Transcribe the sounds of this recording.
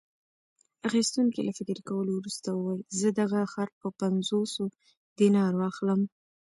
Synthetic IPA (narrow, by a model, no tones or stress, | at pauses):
axist̪uŋkelafɪkɾkawəlowɾust̪awəwɑjzəd̪aɣaxaɾ̚pəpanzoso | d̪inɑɾwɑxləm